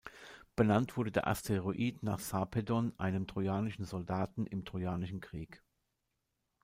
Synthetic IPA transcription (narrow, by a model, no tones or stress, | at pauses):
b̥ənantv̥ʊɐdədḛːɐʔa̰stʰeʁoʔiːtna̰ːχsapʰedɔnʔa̰ɪnəmtʁ̥ojaːnɪʃn̩zɔldaːtn̩ʔɪ̰mtʁ̥ojaːnɪʃn̩kʁ̥iːk